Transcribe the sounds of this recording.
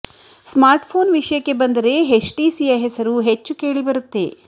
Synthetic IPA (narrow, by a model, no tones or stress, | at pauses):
smaːɾʈpʰo̞ːnʋiʂɐjɐkːe̞bɐnd̪ɐɾe̞ɦet͡ʃʈiːsiːɐɦesɐɾuɦet͡ʃːuke̞ːɭibɐɾut̪ːe̞̰